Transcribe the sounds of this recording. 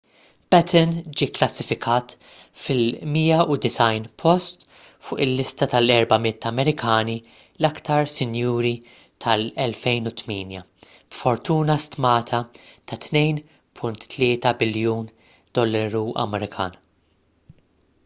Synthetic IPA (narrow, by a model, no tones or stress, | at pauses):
b̥ɛt̪ʰɛnd͡ʒiːklɐsːɪfɪkʰɐːt̪ | fɪlmiːɐʊd̪ɪsɐjnpʰɔst̪ | fʊːʔɪlːɪst̪ɐt̪ɐlɛɾbɐmɪt̪ːɐmɛɾɪkʰɐːni | lɐkt̪ʰɐɾsɪnjuːɾi | t̪ʰɐlɛlfɛjnʊt̪miːnjɐ | b̥fɔɾt̪uːnɐst̪mɐːt̪ʰɐt̪ɐt̪nɛjn | pʰʊnt̪ːlɪːt̪ɐbɪljuːn | d̪̥ɔlːɐɾuɐ̰mɛɾɪkʰɐ̰ːn